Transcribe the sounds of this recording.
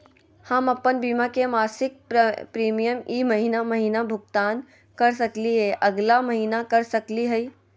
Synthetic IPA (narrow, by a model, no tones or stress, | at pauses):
həmɐpːənbiːmakemaːsɪk̚pɾiːmijəmiːmɐɦiːnamɐɦiːnabʱʊɡt̪aːn | kɐɾs̬ɐkliɦeʔɐɡlamɐɦiːnakɐɾsɐkliɦəi